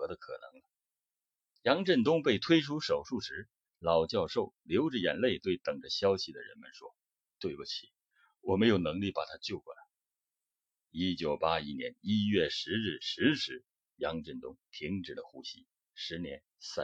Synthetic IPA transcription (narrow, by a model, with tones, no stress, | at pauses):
ɤ˧˥d̪ə˧kʰɤ̰˨˩nɤ̰˧˥ŋnə˧ | jɑ˧˥ŋʈ͡ʂə˥˩nt̪̬ʊ˥ŋpe˥˩ɪt̪ʰwe˥ɪʈ͡ʂʰu˥ʂo˨˩ʊʂu˥˩ʂɻ̩˧˥ | lɑ˨˩ʊt͡ɕjɑ˥˧ʊʂo˥˩ʊljo˧˥ʊʈ͡ʂ̩˥˩jɛ˧˥nle˥˧ɪt̪we˥˩ɪt̪ɤ˨˩ŋʈ͡ʂə˦ɕjɑ˥ʊɕi˨d̪ə˩ɻə̰˧˥nmə˨nʂwɔ˥ | t̪we˥˩ɪbu˥˩t͡ɕʰi˨˩˦ | wɔ˨˩me˧˥ɪjo˨˩nɤ˧˥ŋli˥˩pa˨˩t̪ʰa˥t͡ɕjo˥˧ʊkwɔ̰˥˩t̪ʰa˨˩ | i˥t͡ɕjo˨˩ʊpa˥i˧˥njɛ̰˧˥ni˥ɥɛ˥˩ʂɻ̩˧˥ɻ̩˥˩ʂɻ̩˧˥ʂɻ̩˧˥ | jɑ˧˥ŋʈ͡ʂə˥˩nt̪ʊ˥ŋt̪ʰi˧˥ŋʈ͡ʂɻ̩˨˩lə˦xu˥ɕi˥ | ʂɻ̩˧˥njɛ˧˥n | sa˥˩